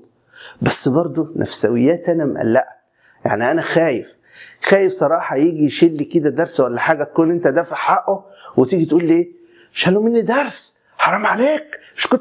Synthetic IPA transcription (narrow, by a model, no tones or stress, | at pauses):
bæsːbɑɾˤd̪ˤonʔæ̰fsæwɪ̰jːæːt̪ʔænæmʔæ̰lːæʔæ | ja̰ʕniʔænæxæːjef | xæːjefsˤɑɾˤɑːħɑjiːɡijʃelːiked̪æd̪ɑɾˤswælːæħaːɡæt̪̚kuːnʔent̪æd̪æfaħaʔo | wet̪iːɡit̪ʔuːlʔeː | meʃhælːoːmenːid̪ɑɾˤs | ħɑɾˤɑːmʕaleːkmeʃkon